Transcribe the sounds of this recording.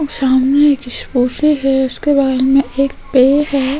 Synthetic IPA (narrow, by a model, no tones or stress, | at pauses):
saːmneeːkɪʃpuːsiɦɛʊskebaːeɾmẽeːk̚peːɦɛː